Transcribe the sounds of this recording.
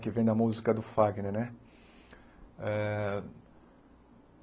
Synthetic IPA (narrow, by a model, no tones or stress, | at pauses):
kɪvẽj̃d̪ɐmuzikɐd̪ʊfaɡneɾnɛ | ɛ